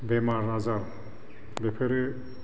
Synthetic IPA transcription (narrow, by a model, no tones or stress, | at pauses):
bɛmaɾnazaɾ | bepʰeɾe